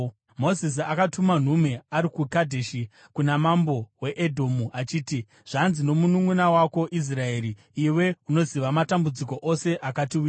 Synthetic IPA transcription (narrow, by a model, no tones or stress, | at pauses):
mo̞zis̬iakatuman̤ume̞aɾikukadʱeʃi | kunamambo̞we̞ʔedʱo̞muat͡ʃiːti | ʐ̥anzino̞munumunawako̞ʔis̬rae̞ːɾi | iwe̞uno̞ziʋamatambud͡ziko̞ʔo̞se̞ʔakatiu